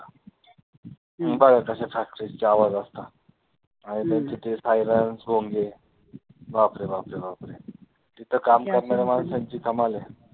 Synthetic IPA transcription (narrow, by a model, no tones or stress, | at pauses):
bəɡakəɕẽfak̚ʈɾid͡ʑt͡ɕeaʋad͡zast̪a | anit̪at͡ɕ̪ʰit̪ʰesajɾənsbʱoŋɡe | bapɾebapɾebapɾe | t̪it̪ʰəkamkameɾamalasə̃nt͡ɕiːkʰəmale